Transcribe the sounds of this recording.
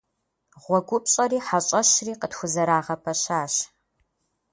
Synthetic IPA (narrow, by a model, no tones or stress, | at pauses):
ʁʷɔɡʷʊp̚ɕʼɐriːħaɕʼɐɕriːqətxʷʊzɐɾaːʁɐpʰɐɕaːɕ